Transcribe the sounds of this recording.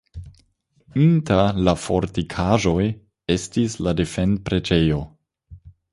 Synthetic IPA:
intalafo̞ɾtikʰaʒo̞j | e̞stislade̞fend̚pɾe̞d͡ʒejo̞

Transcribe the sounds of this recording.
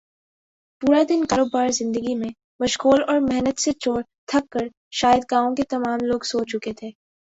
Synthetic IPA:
puːɾad̪ɪnkɐɾoːbaːɾzɪ̃nd̪əɡimẽ | mɐʃkoːlɔːɾmɛɦnət̪set͡ʃoːɾ | t̪ʰɐkːəɾ | ʃaːjəd̪ɡaːõket̪ɐmaːmloːɡsoːt͡ʃːʊket̪ʰeː

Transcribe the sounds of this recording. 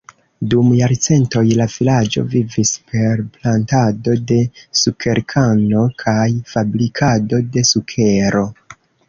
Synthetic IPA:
dumjaɾt͡se̞nto̞jlavilad͡ʒo̞̰vivispʰe̞ɾplantado̞de̞sukʰe̞ɾkʰano̞kʰajfabɾikʰado̞de̞sukʰe̞ɾʔo̞

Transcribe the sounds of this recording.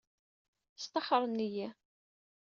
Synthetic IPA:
st̪ɑħɾˤnːijæ

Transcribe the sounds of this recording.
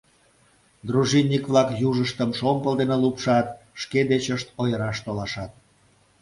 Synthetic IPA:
d̪ruʒinʲːikβlɑkjuʒəʃt̪əmʃompəld̪enelupʃɑt̪ | ʃked̪et͡ɕəʃt̪ojəɾɑʃt̪olɑʃɑt̪̚

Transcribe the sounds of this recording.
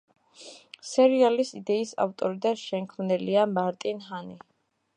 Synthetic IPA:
sɛɾialisid̪ɛisa̰ft̪ʼɔɾid̪aʃɛŋkʰmnɛliamaɾt̪ʼinɦani

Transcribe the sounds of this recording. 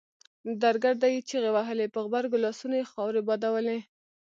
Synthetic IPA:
d̪aɾɡaɾd̪ajit͡ʃeɣewaɦəlepəɣbaɾɡʊlɑsunajexɑwɾebɑd̪awəle

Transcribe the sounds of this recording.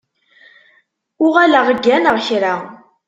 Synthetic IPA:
ʊʁaləʁəɡːænəʁçɾa

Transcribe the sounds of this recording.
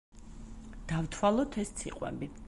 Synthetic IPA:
d̪̥avt̪ʰwalˠɔt̪ʰɛst̪sʰiqʼwɛ̰bi

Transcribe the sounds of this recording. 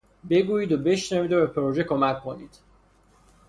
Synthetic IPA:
be̞ɡuːiːd̪obe̞ʃnæviːd̪obepʰeɾoʒekʰomækʰːonḭːd̪̥

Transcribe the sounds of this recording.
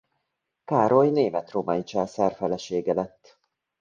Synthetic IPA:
kaːɾo̞jneːmɛt̪romɒjit͡ʃɛːsɛrfɛlɛʃeːɡɛlɛt̪ː

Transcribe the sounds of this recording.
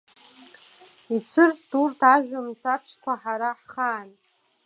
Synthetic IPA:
it͡sʷʰɨrsturtʰaʒᶣʷamt͡sʰʼapʰʂʰkʷaħaɾaħχaːn

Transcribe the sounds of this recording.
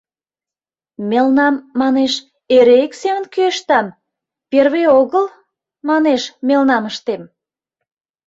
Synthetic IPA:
melnɑmːɑneʃ | eɾeeksemənkyəʃt̪ɑm | perβeoɣəl | mɑneʃmelnɑməʃt̪em

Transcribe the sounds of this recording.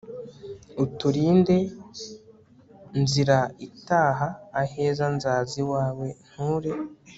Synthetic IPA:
utuɾiːnde̞ | nziɾaitaːɦaːhe̞ːzanzaːziwaːwe̞n̥huːɾe̞

